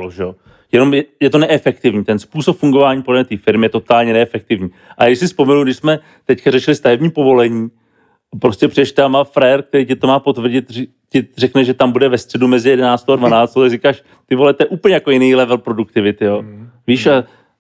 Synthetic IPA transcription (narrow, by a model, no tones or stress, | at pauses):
loʒɛjo̞ | jɛno̞mjɛjɛt̪o̞nɛʔɛfɛkt̪ɪvɲiːt̪ɛnspuːsopfuŋɡo̞vaːɲiːpodlɛmɛt̪iːfɪɾmɪjɛt̪o̞t̪aːlɲɛnɛɛfɛk̚t̪ɪvɲiːʔaaɡɪʃsɪspo̞mɛnuɡdɪʃsmɛ | t̪ɛckaɾɛʃɪlɪst̪aɦɛbɲiːpo̞vo̞lɛɲiː | pɾoscɛpr̝iɛʃt̪ɛamafɾɛɾk̚t̪ɛɾiːcɛt̪omaːpo̞t̪vr̩ɟɪt̪ | cɪrɛknɛʒɛt̪ambudɛvɛst̪r̥ɛdumɛzɪjɛdɛnaːt͡st̪oadvanaːt͡st̪ot̪aɡrikaːʃ | t̪ɪvo̞lɛt̪ojɛʔuːpəɲɛjakojɪnijlɛvɛlpɾo̞duk̚t̪ɪvɪt̪ɪjoviːʃa